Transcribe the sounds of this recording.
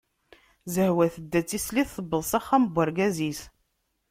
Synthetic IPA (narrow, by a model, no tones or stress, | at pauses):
zəhwæθəd̪ːæt͡sːisliθːəbːəðˤsɑχːaməbʷːəɾɡæzis